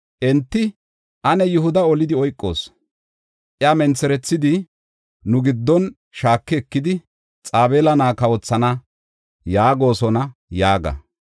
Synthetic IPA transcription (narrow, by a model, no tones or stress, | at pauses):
ʔɛnt̪ːɪ | ʔɐnɛjʊhʊd̪ɐɔlɪd̪ɪɔjkʼːo̞̰ːs | ʔɪaːmɛnt͡sːɛɾɛt͡sːɪd̪ɪ | nʊɡɪd̪ːɔn | ʃaːkːɛɛkːɪd̪ɪ | t͡sʼaːbeːlɐnaːkɐwɔt͡sːɐnɐ | jaːɡo̞ːsɔnɐjaːɡɐ̰